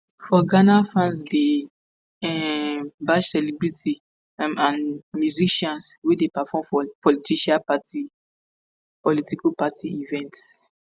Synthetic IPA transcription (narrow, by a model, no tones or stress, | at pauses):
fɔɡanafɹãnsde | ɛbaʃsɛlibɹiti | ãnmjuziʃɔ̃nswedepafɔmfɔpɔlitiʃapati | pɔlitikupatʰiivɛ̃nts